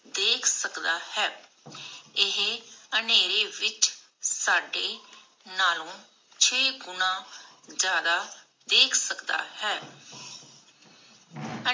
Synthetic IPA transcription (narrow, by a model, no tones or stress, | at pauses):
d̪eːkʰsəkd̪aːhɛː | ɪɦeəneːɾeːʋɪt͡ʃ | saːɖeː | naːlõː | t͡ʃʰeːɡʊnãː | d͡ʒjaːd̪aː | d̪eːkʰsəkd̪a̰ːhɛː | ə